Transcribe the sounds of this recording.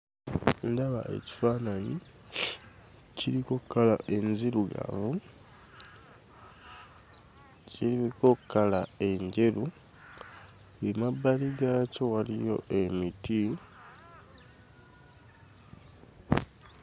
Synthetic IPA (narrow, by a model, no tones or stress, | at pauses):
ndaβa̰ḛci̥faːnaɲi | ciɾikokːalaʔe̞nziɾuɡa̰vu | ciɾiiko̞kːalae̞ɲɟe̞ɾu | ulimabːaliɡaco̞walijo̞̰e̞miti